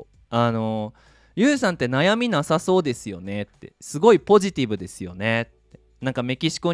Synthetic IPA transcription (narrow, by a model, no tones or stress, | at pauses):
ano̞ | jɯːsãnt̪e̞najamʲinasaso̞ːd̪e̞sɨjo̞̰ne̞t̪ːe̞̰sɨɡo̞ipo̞ʑit̪ʲibɯ̟d̪e̞sɨjo̞̰ne̞t̪ːe̞ | nãŋkame̞kʲiɕi̥ko